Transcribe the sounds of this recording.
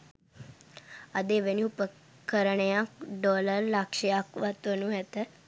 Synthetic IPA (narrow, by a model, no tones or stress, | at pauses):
ad̪eʋəniupə | kəɾəɳjãɖɔləɾlakʃiakʋat̪onũɦɛt̪ɛ